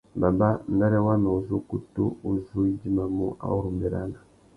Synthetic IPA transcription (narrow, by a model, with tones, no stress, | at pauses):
ba˨ba˦nɡa˦ɾe˦wa˦na˨u˨zu˦ku˨tu˦u˨zu˦i˦ɟi˦ma˨mu˦ʔa̰˨u˦ɾu˨mbi˨ɾa̰˨na˨